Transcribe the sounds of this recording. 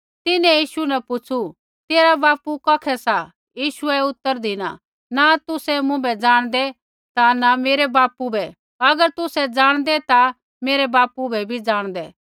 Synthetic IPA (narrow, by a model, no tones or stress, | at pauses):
t̪ɪnɛ̃jiːʃunɛpʊt͡ʃʰu | t̪eːɾabaːpukɐːkʰɛsa | jiːʃʊɛʊt̪ːəɾd̪ʱina̰ | nat̪ʊsɛmʊ̃bɛd͡zaːɽ̃d̪ɛ | t̪anameːɾɛbaːpubʱɛ | ɐɡəɾt̪ʊsɛd͡zaːɽ̃d̪ɛt̪a | meːɾɛbaːpubɛbʱid͡zaːɽ̃d̪ɛ